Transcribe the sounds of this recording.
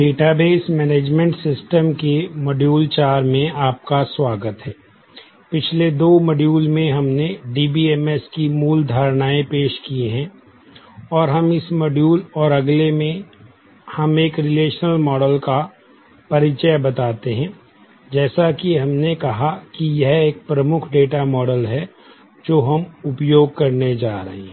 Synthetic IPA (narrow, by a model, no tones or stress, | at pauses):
ɖeːʈabeːsmɛːneːd͡ʒmẽɳʈsɪsʈəmkeməɖjuːlt͡ʃaːɾmẽaːp̚kaswaːɡət̪ɦɛː | pɪt͡ʃʰled̪oːməɖjuːlmẽɦɐmneɖiːbiɛːmɛskimuːld̪ʱaːɾñaːẽpeːʃkieɦɛ̃ | ɔːɾɦɐmɪsmɐɖjuːlɔːɾɐɡlemẽ | hɐmeːkɾɪleːʃnəlmɔːɖəlka | pɐɾɪt͡ʃəjbɐt̪aːt̪eɦɛ̃ː | d͡ʒɛːsakiɦɐmnekɐɦakijɛɦeːk̚pɾɐmʊkʰɖeːʈamɔːɖəlɦɛ | d͡ʒoːɦɐmʊpjoːɡ̚kɐɾned͡ʒaːɾɐ̰ɦḛɦɛ̃